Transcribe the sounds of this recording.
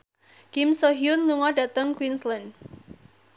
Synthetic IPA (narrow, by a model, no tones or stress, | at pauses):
kɪmsoɦjʊnluŋɔdat̪əŋkwinslan